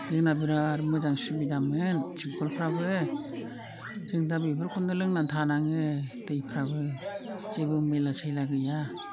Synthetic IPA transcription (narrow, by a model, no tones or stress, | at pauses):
zɯŋnabiɾaːɾɯmɯzaŋsubidamɯnt͡ʃʰiŋkʰɔlpʰɾabɯ | zɯŋdabibɯɾkʰɔndɯlɯŋnantʰanaŋɯtɯjpʰɾabɯzɯbɯmɯjlasʰajlaɡɯja